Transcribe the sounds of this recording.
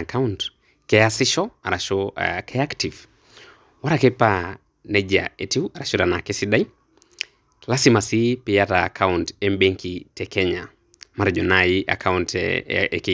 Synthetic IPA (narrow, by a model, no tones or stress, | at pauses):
kaunt | kɛasiʃɔaɾaʃɔkɛaktiv | waɾakɛpa | nɛd͡ʒa̰ɛtiuaɾaʃɔɾanakɛsiɗai | lasimasipiataːkʰauntɛmbɛŋkitɛkɛɲa̰ | maɾad͡ʒɔnaiʔa̰kʰawuntɛ̰ɛk